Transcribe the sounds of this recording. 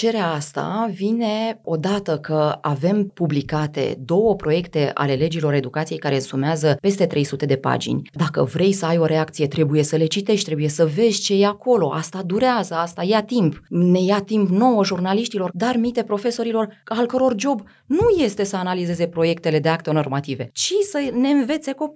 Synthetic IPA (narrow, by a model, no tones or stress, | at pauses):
t͡ʃe̞ɾeaast̪a̰vine̞o̞d̪at̪əkʰəave̞mpublikat̪e̞̰d̪o̞wəpɾo̞je̞kt̪e̞ʔa̰le̞le̞d͡ʒilo̞ɾe̞d̪ukat̪sije̞jkaɾesumeazəpe̞st̪e̞t̪ɾe̞jsut̪e̞d̪e̞pa̰d͡ʒḭnʲd̪akə̰vɾe̞jsəajo̞ɾe̞ak̚t̪sije̞t̪ɾe̞buje̞səle̞t͡ʃit̪e̞ʃt̪ʲt̪ɾe̞buje̞səve̞zʲt͡ʃe̞jeako̞lo̞ʔa̰st̪ad̪uɾeazəast̪ajat̪impne̞jat̪impno̞wəʒurnaliʃt̪ilo̞rd̪armit̪e̞pɾo̞fe̞so̞ɾilo̞ralkəɾo̞rd͡ʒo̞b | nuje̞st̪e̞səanalize̞ze̞pɾo̞je̞kt̪e̞le̞d̪e̞ak̚t̪eono̞rmat̪ive̞̰t͡ʃisəne̞ɨnve̞t̪se̞ko